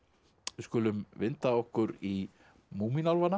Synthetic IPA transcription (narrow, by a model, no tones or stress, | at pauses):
ɪskʏːlʏmvɪnt̪aɔhkʏɾi | muːminalvanːa